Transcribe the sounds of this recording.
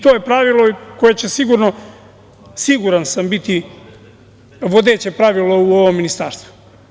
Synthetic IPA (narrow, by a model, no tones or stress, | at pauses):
t̪o̞jepɾaʋilˠo̞ko̞je̞t͡ɕesiɡuɾno̞ | siɡuɾansambit̪i | ʋo̞d̪eːt͡ɕe̞pɾaʋilˠo̞uoʋomːinist̪a̰ɾst̪vu̥